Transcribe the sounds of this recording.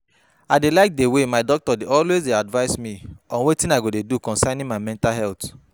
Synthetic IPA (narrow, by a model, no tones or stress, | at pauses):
aɪdelaɪk̚dewemaɪdɔk̚tɔdeɔlwezdeadvaɪsmiɔ̃nwetĩnaɡodedukɔ̃nsanĩmamɛ̃ntalɦɛlt